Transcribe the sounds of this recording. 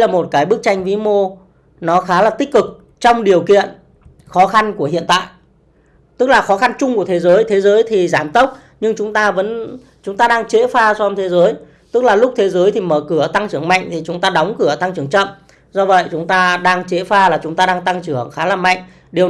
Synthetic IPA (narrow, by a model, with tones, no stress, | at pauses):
laː˨˩mo˨˩t̚kaː˨˦jɓɨ˦˥ək̚t͡ɕa˧jŋ̟vi˨˦mo˧ | nɔ˨˦xaː˨˦laː˨˩t̪ï˦˥k̟̚kɨ˨˩k̚ | t͡ɕɔ˧wŋ͡mɗi˨˩əwkḭ˧˨ən | xɔ˨˦xa˧nku˧˩əɦḭ˧˨ənt̪a̰ː˧˨jʔ | t̪ɨ˦˥k̚laː˨˩xɔ˨˦xa˧nt͡ɕʊ˧ŋ͡mku˧˩ət̪ʰe˨˦zəː˨˦jt̪ʰe˨˦zəː˨˦jt̪ʰi˨˩zaː˧˩mt̪ə˦˥wk͡p̚ | ɲɨ˧ŋt͡ɕʊ˨˦ŋ͡mt̪aː˧və̰˧˥n | t͡ɕʊ˨˦ŋ͡mt̪aː˧ɗaː˧ŋt͡ɕe˨˦faː˧t͡ɕɔ˧mt̪ʰe˨˦zəː˨˦j | t̪ɨ˦˥k̚laː˨˩lʊ˦˥k͡p̚t̪ʰe˨˦zəː˨˦jt̪ʰi˨˩məː˧˩kɨ˧˩ət̪a˧ŋt͡ɕɨ˧˩əŋma̰˧˨jŋ̟t̪ʰi˨˩t͡ɕʊ˨˦ŋ͡mt̪aː˧ɗɔ˨˦wŋ͡mkɨ˧˩ət̪a˧ŋt͡ɕɨ˧˩əŋt͡ɕə̰˧˨m | zɔ˧və̰˧˨jt͡ɕʊ˨˦ŋ͡mt̪aː˧ɗaː˧ŋt͡ɕe˨˦faː˧laː˨˩t͡ɕʊ˨˦ŋ͡mt̪aː˧ɗaː˧ŋt̪a˧ŋt͡ɕɨ˧˩əŋxaː˨˦laː˨˩ma̰˧˨jŋ̟ | ɗi˨˩ə